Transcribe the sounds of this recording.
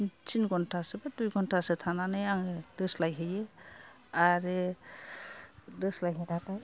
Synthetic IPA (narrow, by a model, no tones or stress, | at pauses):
t͡ʃinɡɔntʰasɛbadujɡʱɔntʰasɛtʰananɯjaŋedɯslajɦɯje | aɾe | dɯslajɦedataj